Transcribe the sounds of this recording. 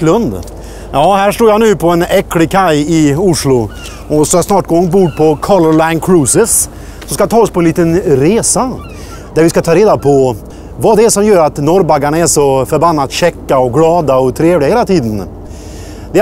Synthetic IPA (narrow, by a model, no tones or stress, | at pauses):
lɵnd̪ | jɑːhæːʂʈuːɾjanʉ̟ːpʰɔɛnɛkːlɪkʰajɪʊʂɭʊ | ʔɔsɔjasnɑːʈ̚ɡoːɛnbuːd̪pʰɔkʰɔlɔlaɪnkʰɾʉːsɪs | sɔmskat̪ʰɑːɔspʰɔɛnliːt̪ənɾeːsa | d̪̥æɾvɪskat̪ʰɑːɾeːd̪apʰɔ | vaːd̪ɛæʂɔmjœːɾat̪nɔɾbaɡaɳaɛʂɔfœɾbanːat̪ɕɛkːaɔɡlɑːd̪aɔt̪ʰɾeːvlɪɡaheːlat̪ʰiːd̪ən | d̪ɛ